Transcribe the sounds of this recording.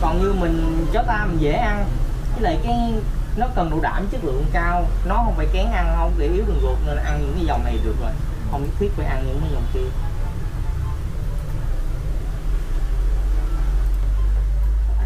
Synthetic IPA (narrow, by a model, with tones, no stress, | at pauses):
kɔ˨˩nɲɨ˧mï˨˩ŋ̟zɔ˨˦t̪aː˧mï̟˨˩zḛ˧˩ʔa˧n | t͡ɕi˨˦lə̰ː˧˨jkaː˨˦jnɔ˨˦kə˨˩nɗo̰˧˨˦ɗa̰ː˧˨˩m˨˦t͡ɕɨ˦˥k̚lɨ̰˧˨əŋkaː˧wnɔ˨˦hə˧wŋ͡mfaː˧˩jkɛ˨˦nʔa˧nə˧wŋ͡mɗe˧˩ʔi˨˦əwɗɨ˨˩ək̚lu˨˩ək̚ne˧n˨˩ʔa˧nɲɨ̰˧˥ŋkaː˨˦zɔ˨˩wŋ͡mna˨˩jɗɨ˨˩ək̚zoː˨˩j | hə˧wŋ͡mi˧˦˥t̪ʰwi˦˥t̚vəː˧˩ʔa˧nɲɨ̰˧˥ŋkaː˨˦zɔ˨˩wŋ͡mt̪i˧˩ən